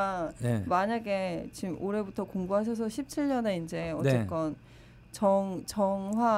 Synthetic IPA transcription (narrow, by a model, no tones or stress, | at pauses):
aemaɲaɡe̞t͡ɕimʔoɾe̞butʰʌkoŋbuɦaɕ̬ʰʌs̬ʰʌɕʰip̚t͡ɕʰiʎɲʌne̞ind͡ʑe̞ʌnt͡ɕek͈ʌn | t͡ɕʌŋt͡ɕʌŋɦwa